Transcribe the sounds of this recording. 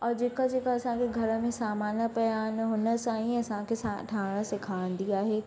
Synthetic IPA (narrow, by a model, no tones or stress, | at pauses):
ɔːɾd͡ʒeːkad͡ʒeːkaɐsãkʰeɡʱɐɾəmẽsaːmaːnəpɐjaːnɦʊnə̆saːɦĩɐsãkʰesaʈʰaːɽ̃ə̃sɪkʰaːɽ̃d̪iaːɦeː